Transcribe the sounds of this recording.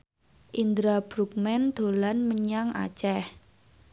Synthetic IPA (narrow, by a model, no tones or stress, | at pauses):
ʔind̪ɾab̥ɾuk̚mɛnd̪̥o̤lanməɲaŋʔa̰t͡ʃɛh